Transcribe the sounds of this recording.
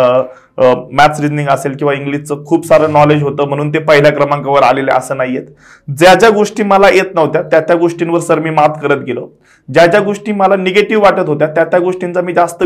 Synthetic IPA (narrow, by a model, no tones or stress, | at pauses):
mæt͡sɾidnĩŋɡəselkĩw̃ʋaiŋɡlist͡səkʰuːpsaɾəːnɔled͡ʑɦot̪əːm̤əɽ̃uːnt̪epəɦilakɾəmãŋkaʋəɾa̰lelə̰ə̰səːnajjet̪ | d͡zjat͡ɕjaɡoʂʈiːməlaʔet̪nəʋt̪jat̪jat͡ɕ̪jaɡoʂʈinʋəɾsəɾmiːmat̪ʰkəɾət̪̚ɡelo | d͡ʑjat͡ɕjaɡoʂʈiːməlaneɡeʈiʋʋaʈət̪ɦot̪̬jat̪jat̪jaɡoʂʈint͡samiːd͡zast̪ə